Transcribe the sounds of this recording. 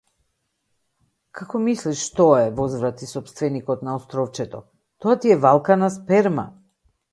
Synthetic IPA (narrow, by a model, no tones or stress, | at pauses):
kʰakɔmisliʃːt̪ɔɛvɔzvɾat̪isɔpst̪vɛnikɔt̪naɔst̪ɾɔft͡ʃɛt̪ɔ̰ | t̪ɔat̪iɛvalˠkanaspɛɾma̰